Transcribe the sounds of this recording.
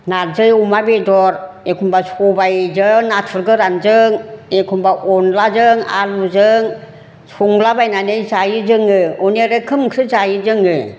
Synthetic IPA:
nazɯjumabedɔɾ | ekʰumbasʰubajzɯŋnatʰuɾɡɯɾanzɯŋekʰumbaʔɔnlazɯŋa̰luzɯŋ | sʰuŋlabajnanɯjzajɯd͡ʒɯŋɯɔneɾɯkʰɯmkʰɾɯzajɯzɯŋɯ

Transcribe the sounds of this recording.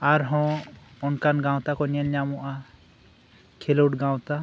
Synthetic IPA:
aɾɦɔ̃ɔnkanɡãw̃t̪akɔnjanɲamɔʔa | kʰeluʈɡãw̃t̪a

